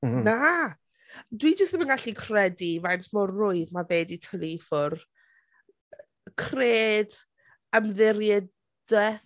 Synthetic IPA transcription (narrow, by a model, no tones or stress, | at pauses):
na | dwid͡ʒəstəmənɡaɬikʰrɛdivantʰmɔrːʊɨðmaveːditʰəlifɔr | kʰreːd | əmðɪɾjɛ | d̥ɛ